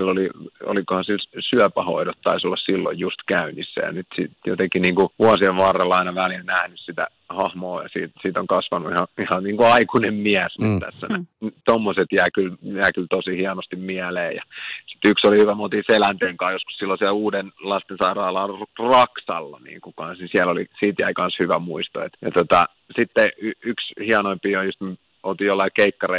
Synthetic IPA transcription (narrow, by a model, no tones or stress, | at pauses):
ilːolio̰likohɑsilsyæpæho̰iɾot̪tɑ̰isolːɑssilːo̰jjust̪kæynisːæ̰jɑ̰nyt̪sit̪jo̰t̪ekiniːŋkuʋuɑsieʋʋɑrːelːɑinɑʋælilnæhnyssit̪æ̰ | hɑhmoːjɑ̰siːt̪siːt̪oŋkɑsʋɑnuihɑihɑnniːŋkuɑikunemmiæsnyt̪t̪æ̰sːæ̰nænt̪omːoset̪jæːkyljæːkylt̪osihiɑnost̪immiæleːjɑ̰si̥t̪yksolihyʋæmolt̪iːselænt̪eːŋkɑːjosku̥ssilːosiæluːdenlɑst̪ensɑirɑːlɑːrɑksɑ̰lːɑ̰nḭːŋkukɑ̃nsnisiælolḭsiːt̪jæ̰ikɑnshyʋæmuist̪o̰ḛt̪jɑt̪ot̪ɑ | sit̪ːeyykshiɑnoimpiːojjust̪m | olt̪ijolːɑikeikːɑre